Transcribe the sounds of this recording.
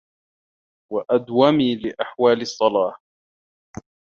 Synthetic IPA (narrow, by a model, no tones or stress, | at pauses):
waʔad̪wamiːlɪʔaħwaːlɨsˤːɑlɑːh